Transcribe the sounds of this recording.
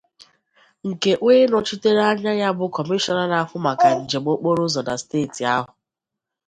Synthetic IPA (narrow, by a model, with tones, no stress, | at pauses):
ŋ̩˨ke˨ʔwʷeː˦nɔ˨t͡ʃi˦te˦ɾa˦ɲa˦ɲa˦bʊ˦kɔ˨mi˦ʃɔ˦na˦˨la˨˦fʊ˦ma˨ka˨n̩˨d͡ʒe˨ɡ͡bo˦k͡po˦ɾʊ˦zɔ˨na˨steː˦˨ti˨a˦ɦʊ˨